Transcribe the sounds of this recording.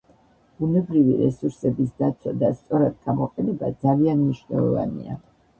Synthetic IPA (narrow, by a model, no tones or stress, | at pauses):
b̥unɛbɾiviɾɛsuɾsɛbisd̪at̪sʰwad̪ast̪sʼɔɾad̪̚ɡamɔqʼɛnɛbad̪zalianmniʃnɛ̰lˠɔ̰va̰nḭa